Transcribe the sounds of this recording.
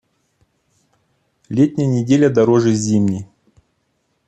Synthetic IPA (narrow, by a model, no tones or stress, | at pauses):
lʲetʲnʲɪjənʲɪdʲelʲəd̪aɾoʐɨzʲimnʲij